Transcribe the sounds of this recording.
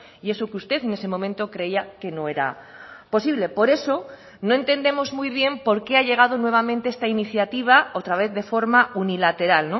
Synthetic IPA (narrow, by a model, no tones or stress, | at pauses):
ie̞sokeust̪e̞θene̞se̞mõmẽnt̪o̞kɾe̞iake̞no̞e̞ɾa̰ | po̞siβle̞po̞ɾe̞so̞ | no̞ẽ̞nt̪e̞nd̪e̞mo̞zmujβ̞je̞mpo̞ɾke̞aʎe̞ɣ̞að̞onwe̞β̞amẽnt̪eest̪ainiθjat̪iβ̞aot̪ɾaβ̞e̞θðe̞fo̞ɾmaunilat̪e̞ɾalno